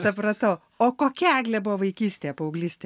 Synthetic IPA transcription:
sʊpɾɐt̪ɐʊ | oːkoːkʲɛæːɡlʲɛbʊʋoʋɐɪkʲiːsʲt̪ʲeːjɛpoːɐʊɡlʲiːsʲt̪ʲe

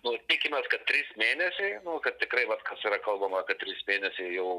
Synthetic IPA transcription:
nʊt̪ʲiɪkʲɪmʲɛːskɐt̪̚t̪ːʲɾʲiːsmʲeːnʲɛsʲɛɪnʊkɐt̪ʲtʲɪkɾɐɪʋɐt̪kɐsiɾɐkɐlˠbɐmɐkɐt̪̚t̪ʲɾʲiːsmʲeːnʲɛsʲɛɪjɛʊ

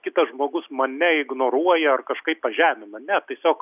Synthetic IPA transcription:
kʲɪt̪ɐsʒmoːɡʊsmɐnʲɛɪɡnoːɾuɔjɛɐrkɐʃkɐɪpppɐʒʲæːmʲɪnɐnʲɛt̪ʲiɛsʲoːk

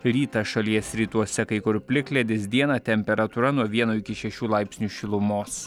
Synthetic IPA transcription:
ɾʲiːt̪ɐʃɐlʲiɛsɾʲiːt̪uɔsʲɛkɐɪkʊɾpʲlʲɪklʲɛd̪ʲɪsd̪ʲiɛnɐt̪ʲɛmʲpʲɛɾɐt̪uːɾɐnuɔʋʲiɛnuːɪkʲɪʃʲɛʃʲuːlˠɑɪpʲsʲnʲuːʃʲɪlˠʊmoːs

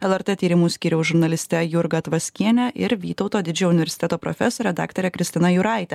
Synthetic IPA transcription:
ɛlˠɛɾt̪eːt̪ʲiːɾʲɪmuːsʲkʲiːɾʲɛʊsʒʊɾnɐlʲɪsʲt̪ʲɛjʊɾɡɐt̪ʋɐsʲkʲiɛnʲɛʔɪɾʋʲiːt̪ɒʊt̪oːd̪ʲɪd͡ʒʲɛʊnʲɪʋʲɛɾʲsʲɪt̪ʲɛt̪oːpɾɔ̰fʲɛsoːɾʲɛd̪ɑ̰ːkt̪oːɾʲɛkʲɾʲɪsʲt̪ʲɪnɐjʊɾɑˑɪt̪ʲɛ

